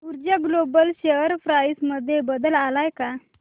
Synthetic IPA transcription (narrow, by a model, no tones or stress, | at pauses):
uɾd͡ʑaɡlobəlɕeʋəɾfɾajsməd̪ʱːjebəd̪əlalajka